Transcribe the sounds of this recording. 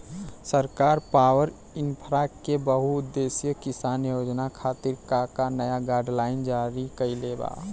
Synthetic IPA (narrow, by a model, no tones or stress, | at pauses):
səɾkaːɾpaːwəɾ | ɪnpʰɾakebəɦuʊd̪ːeːsjəkɪsaːnjoːd͡ʒnakʰaːt̪ɪɾkakanəjaɡaːɖlaːɪnd͡ʒaːɾikəileːba̰ː